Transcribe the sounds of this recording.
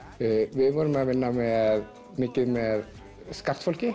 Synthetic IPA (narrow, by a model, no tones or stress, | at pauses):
ʋɪʋuɾmɛɔʋɪnːamɛɾ | mɪkːəmeɾ | skɑɾt̪fɔlkə